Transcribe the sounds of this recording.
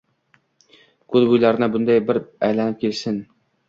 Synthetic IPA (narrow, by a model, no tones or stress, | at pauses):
kʰɵzbʊjlaɾɪnɪbʊnd̪ajbɪɾajlanɪp̚kʲʰelsɪn